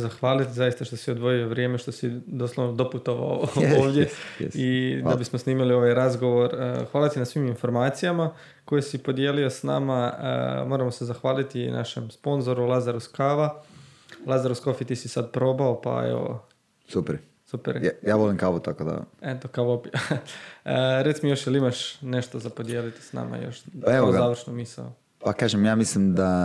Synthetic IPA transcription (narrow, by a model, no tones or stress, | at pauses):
zaxʋaːlit̪izajist̪aʃt̪o̞siod̪ʋo̞jioʋɾjeːme̞ʃt̪o̞sid̪oslˠoʋnod̪o̞put̪o̞ʋa̰ooːʋd̪jeid̪abismosniːmilio̞ʋajɾazɡo̞ʋo̞ɾ̰xʋaːlat̪inasʋiːminfo̞ɾmaːt̪sijama | ko̞jesipo̞d̪jelio̞sna̰maə̰mo̞ːɾamose̞zaxʋaːlit̪ina̰ʃe̞̰mspo̞nzo̞ɾulˠazaɾuskaːʋa | lˠazaɾusko̞fit̪isisad̪̚pɾo̞baopa̰ḛʋo̰ | supeɾ | supeɾjaːʋolimŋkaʋut̪akod̪a̰et̪okaʋopia | əɾet̪smojoʃjelimaʃne̞ʃt̪ozapod̪je̞ːlit̪i̥sna̰ːma̰jo̞̰ʃaeʋoɡ̪aːʋr̩ʃnomisa̰o̰ | pakaːʒemjaːmislimd̪a